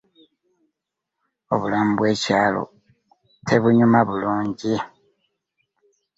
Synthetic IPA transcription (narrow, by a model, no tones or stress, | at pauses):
o̞̰βulaːmbwe̞ːcaːlo̞̰ | tʰe̞βuɲumaβuluːɲɟi